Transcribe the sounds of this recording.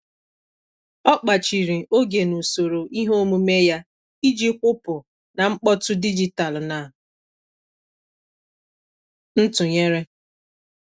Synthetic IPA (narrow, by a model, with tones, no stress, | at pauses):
ɔ˦k͡pa˨t͡ʃi˨ɾi˨ʔo˦ɡe˨nu˨so˨ɾo˨ʔi˦ɦo˦o˦mu˦me˦ja˦ | i˦d͡ʒi˦kʷʊ˦pʊ˨ | na˨ŋ͡m̩˦k͡pɔ˦tʊ˦di˦d͡ʒi˨ta˨lna˨ | n̩˦tʊ˨ɲe˦ɾe˦